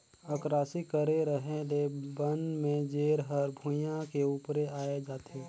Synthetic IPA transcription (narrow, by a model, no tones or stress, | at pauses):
əkɾaːsikəɾeɾəɦelebənmẽd͡ʒeːɾɦəɾbʱujãkeuːpɾeaːed͡ʒaːt̪eː